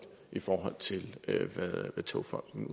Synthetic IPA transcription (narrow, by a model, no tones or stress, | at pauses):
ʔifɒːɦɒ̽l̰t͡sʰe̝lʋæðˠʋæt͡sʰo̝ʊfɒ̽l̰ɡ̥n̩